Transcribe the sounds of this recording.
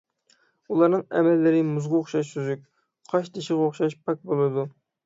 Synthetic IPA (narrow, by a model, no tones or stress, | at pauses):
ulˠɑɾnɨŋɛ̰mɛlːɪɾɪmuzʁɑoχʃɑʃsyzyk̚ʲ | qʰɑʃt̪ʰeʃɪʁoχʃɑʃpʰɑk̚ʲbolˠɨd̪u